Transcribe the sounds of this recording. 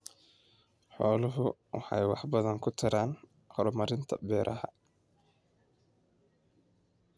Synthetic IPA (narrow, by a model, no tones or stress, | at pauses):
ħɔːlʊɦʊwɑ̰ħɑ̰jwɑħbɐðɐŋkʰʊt̪ʰɐɾaːn | hɔɾmɐɾɪnt̪ʰɐbɛːɾʔɐɦɐ̰